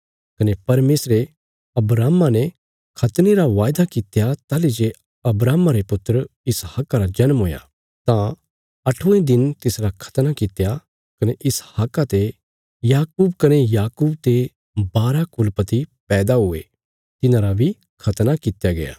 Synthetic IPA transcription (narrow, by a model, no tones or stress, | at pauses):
kɐnepɐɾmeːsɾe | ɐbɾaːmãnɛ | kʰɐt̪neɾaʋaːjd̪akɪt̪jat̪aːlid͡ʒe | ɐbɾaːmaɾepʊt̪ːəɾɪshakːaɾad͡ʒɐnmɦoːja̰ | t̪ã | ɐʈʰũẽd̪ɪnt̪ɪsɾakʰɐ̥t̪nakɪt̪ja | kɐneʔɪshaːkːat̪e | jaːkuːbkɐnejaːkuːb̚t̪e | baːɾakʊlpɐt̪ipɛːd̪aɦʊḛ | t̪ɪnãɾabʱi | kʰɐt̪nakɪt̪jaɡɐ̰ja̰ː